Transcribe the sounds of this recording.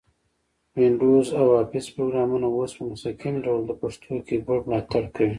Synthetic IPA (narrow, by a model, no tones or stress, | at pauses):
wɪɳɖuzawaːfɪspɾoɡɾamunawoːspəmʊsakimɖawld̪əpaʂt̪ʰokeɡoɽmlaːt̪aɽkawi